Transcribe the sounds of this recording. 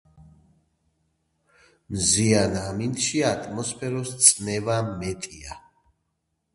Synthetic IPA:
mzianamint̪ʃiat̪ʼmɔspʰɛɾɔst̪sʼnɛvamɛt̪ʼia

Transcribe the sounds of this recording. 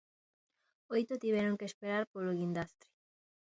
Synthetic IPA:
ojt̪ot̪iβ̞ɛɾoŋkeːspeɾaɾpoloɣind̪ast̪ɾi̥

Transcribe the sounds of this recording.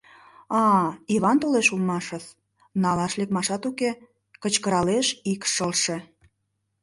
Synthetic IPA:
ɑiβɑnt̪oleʃulmɑʃə̆s | nɑlɑʃlekmɑʃɑt̪uke | kət͡ɕkəɾɑleʃikʃəlʃe

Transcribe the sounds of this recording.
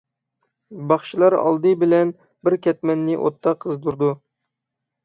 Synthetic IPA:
bɑχʃilˠɑɾɑ̰lˠd̪ɨbɪlɛn | bɪɾkʲɛt̪̚mɛnːɪʔo̰t̪ʰːɑqʰːəzd̪uɾd̪u

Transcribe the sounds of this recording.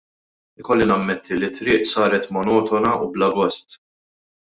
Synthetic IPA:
ɪkɔlːinɐmːɛt̪ʰːilit̪ːɾɪːʔsɐːɾɛt̪mɔnɔːt̪ɔnɐublɐbɔst̪

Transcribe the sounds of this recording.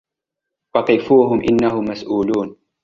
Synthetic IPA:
wɑt̪ˤɨfuːɦʊmʔɪnːahʊmːasʔuːluːn

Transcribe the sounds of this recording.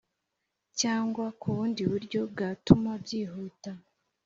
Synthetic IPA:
caːŋɡwakuβuːndiβuɾɟo̞b̚ɡatumabjiːɦuːta

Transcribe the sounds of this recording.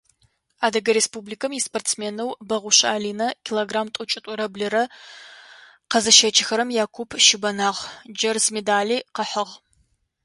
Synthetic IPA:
aːdɐɡɐɾespublikʰɐmjisportt͡smeːnɐwbɐʁʷʊɕa̰ːliːnɐkʲʰiloɡraːmtʼʊt͡ʃʼɪtʷʼʊɾɐblɨɾɐ | qɐzɐʃɐt͡ʃʰʼɪxɐɾɐmjaːkʷʰʊpʰʃɪbɐnaːʁd͡ʒɐrzmedaːliːqəħəʁ

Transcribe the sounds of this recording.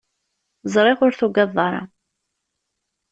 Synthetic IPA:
zˤɾˤɪʁʊɾθuɡɑðˤːɑɾˤɑ̰

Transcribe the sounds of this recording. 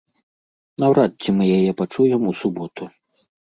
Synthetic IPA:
nawɾat̪̚t͡sːʲimɨjajɛpat͡ʂujɛmusubɔt̪u

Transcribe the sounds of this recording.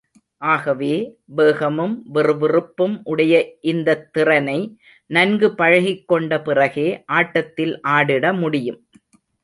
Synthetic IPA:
ʔaːɣɐʋeːbeːɣɐmɯmʋɪrɯʋɪrɯpːɯmʔʊɽɐjɐʔɪnd̪ɐt̪ːɪrɐnɐɪ | nɐnɡɯpɐɻɐɣɪkːɔɳɖɐpɪrɐɣeːʔaːʈːɐt̪ːɪlʔaːɽɪɽɐmʊɽɪjɯm

